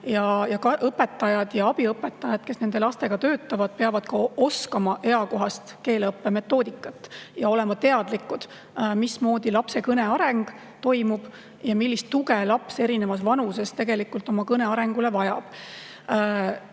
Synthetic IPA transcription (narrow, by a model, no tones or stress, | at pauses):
jɑjɑkɑʔɤpːe̞t̪ːˑɑjɑd̪̥jɑɑb̥iɤpːˑet̪ːˑɑjɑd̪̥ke̞snend̪e̞lɑst̪e̞ɡ̥ɑt̪ø̞ːt̪ːˑɑvɑd̪̥̚pe̞ɑvɑd̪̥kɑo̞skɑmɑʔe̞ɑko̞ɦɑst̪ke̞ːlɤpːe̞me̞t̪ˑːo̞ːd̪̥ikːˑɑt̪ːˑjɑo̞lɛ̞mɑt̪e̞ɑd̪̥likːˑud̪̥ | mismo̞ːd̪̥ilɑpse̞kɤne̞ɑɾe̞ŋɡ̥ | t̪o̞jmub̥ | jɑmilːist̪ːuɡe̞lɑpse̞ɾine̞mɑsvɑnuse̞st̪e̞ɡe̞likult̪ːˑo̞mɑkɤne̞ɑɾe̞ŋɡ̥ule̞vɑjɑb̥